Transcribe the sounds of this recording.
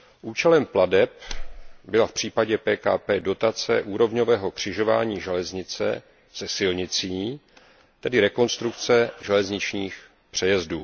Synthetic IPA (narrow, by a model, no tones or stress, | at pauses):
ʔuːt͡ʃɛlɛmpladɛp̚bɪlafpr̝̥iːpaɟɛpɛːkaːpɛːdo̞t̪at͡sɛ̰ʔuːɾo̞vɲo̞vɛːɦo̞kr̝̥ɪʒo̞va̰ːɲiːʒɛlɛzɲɪt͡sɛ̰ | z̥ɛsɪlɲɪt͡siː | t̪ɛdɪɾɛko̞nst̪ɾuk̚t͡sɛʒɛlɛzɲɪt͡ʃɲiːx | pr̝̥ɛjɛzduː